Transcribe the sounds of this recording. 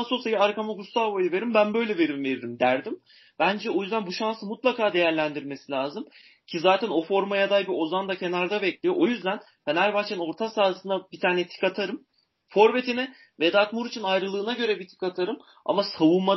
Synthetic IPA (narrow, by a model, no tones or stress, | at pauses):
so̞sajiaɾkamaɡust̪avojɯve̞ɾimbænbø̞jlʲɛve̞ɾimve̞ɾiɾimd̪æɾd̪im | bænd͡ʒɛo̞jyzd̪ænbuʃansɯmut̪lˠakaːd̪e̞jæɾlʲænd̪iɾme̞silʲaːzɯm | cʰizaːt̪ʰæno̞fo̞ɾmajad̪ajbio̞zand̪acʰe̞naɾd̪abɛclʲijo̞ʔo̞jyzd̪æn | fenæɾbaxt͡ʃʰeno̞ɾt̪ʰasaːsɯnabit̪ʰaːnɛt̪ʰi̥kat̪ʰaɾɯm | fo̞ɾve̞t̪ʰinɛ | vɛd̪at̪muɾit͡ʃʰinajɾɯlˠɯːnaɟø̞ɾɛbit̪ʰi̥kat̪ʰaɾɯm | a̰masavuma